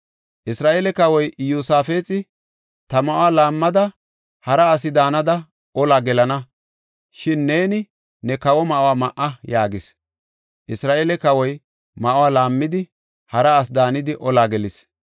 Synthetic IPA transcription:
ʔɪsɾaːʔeːlɛkɐwɔjʔjuːsaːfe̞ːt͡sʼɪ | t̪ɐmɐʔʊwaːlaːmːɐd̪ɐ | hɐɾɐːs̬ɪd̪aːnɐd̪ɐ | ɔlaːɡɛlɐnɐ | ʃɪnːe̞ːnɪ | nɛkɐwɔmɐʔʊwaːmɐʔːɐjaːɡɪs | ʔɪsɾaːʔeːlɛkɐwɔj | mɐʔʊwaːlaːmːɪd̪ɪ | hɐɾɐːs̬d̪aːnɪd̪ɪʔɔlaːɡɛlɪs

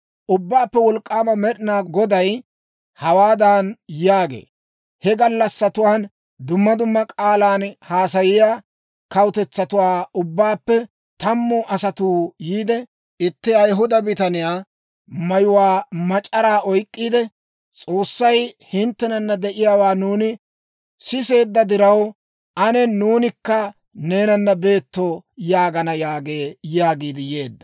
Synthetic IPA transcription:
ʔʊbːaːpːɛwɔlkʼːaːmɐmɛɗɪnaːɡɔd̪ɐj | hɐwaːd̪aːnjaːɡḛː | hɛɡɐlːɐsːɐt̪ʊwaːn | d̪ʊmːɐd̪ʊmːɐkʼaːlaːnhaːsɐjɪjaː | kɐwt̪ɛt͡sːɐt̪ʊwaːʊbːaːpːɛ | t̪ɐmːɔːʔɐsɐt̪uːjiːd̪ɛ | ʔɪt̪ːɪɐjɦʊd̪ɐbɪt̪ɐnɪjaː | mɐjʊwaːmɐt͡ʃʼɐɾaːʔɔjkʼːiːd̪ɛ | t͡sʼo̞ːsːɐjhɪnt̪ːɛnɐnːɐd̪ɛʔɪjaːwaːnuːnɪ | sɪse̞ːd̪ːɐd̪ɪɾɐw | ʔɐnɛnuːnɪkːɐ | ne̞ːnɐnːɐbe̞ːt̪ːɔjaːɡɐnɐjaːɡe̞ːjaːɡiːd̪ɪje̞ːd̪ːɐ̥

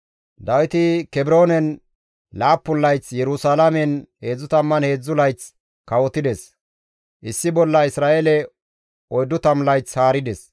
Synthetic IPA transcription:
d̪ɐwɪt̪ɪkɛbɾo̞ːnɛn | laːpːʊlːɐjt͡sjɛɾʊsalɐmɛnhe̞ːd͡zːʊt̪ɐmːɐnhe̞ːd͡zːʊlɐjt͡s | kɐwɔt̪ɪd̪ɛs | ʔɪsːɪbɔlːɐɪsɾaːʔelɛ | ɔjd̪ːʊt̪ɐmlɐjt͡shaːɾɪd̪ɛs

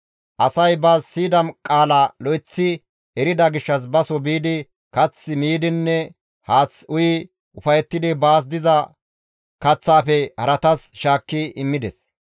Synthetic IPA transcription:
ʔɐsɐjbasːiːd̪ɐmkʼaːlalɔjt͡sːɪ | ɛɾɪd̪ɐɡɪʃːɐs̬bɐsɔbiːd̪ɪ | kɐt͡sːɪmiːd̪ɪnːɛ | haːt͡sʊjɪ | ʊfɐjɛt̪ːɪd̪ɪbaːs̬d̪ɪzɐ | kɐt͡sːaːfɛhɐɾɐt̪ɐsʃaːkːɪɪmːɪd̪ɛs

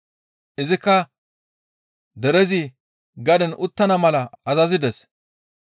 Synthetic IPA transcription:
ʔɪzɪkːɐ | d̪ɛɾɛzɪ | ɡɐd̪ɛnʔʊt̪ːɐnɐmɐlɐɐzɐzɪd̪ɛs

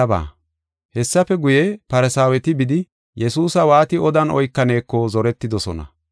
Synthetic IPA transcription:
ɐba̰ː | hɛsːɐfɛɡʊjɛpɐɾɛsaːwɛt̪ɪbɪd̪ɪ | jɛsuːsɐwaːt̪ɪɔd̪ɐnɔjkːɐne̞ːkːɔzɔɾɛt̪ːɪd̪ɔsɔnɐ̰

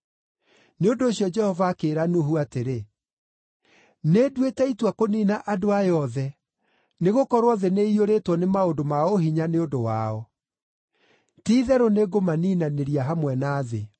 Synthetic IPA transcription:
neondoːɕijɔd͡ʒɛhɔvaːkeːɾanuɦuateɾe | nedwetɛitwakoniːnaʔadoajɔðɛ | neɣokɔɾwɔðeneioɾetwɔnemaodomaoɦiɲaneondowaɔ | tiːðɛɾoneɡomaniːnaneɾiaɦamwɛnaːðe

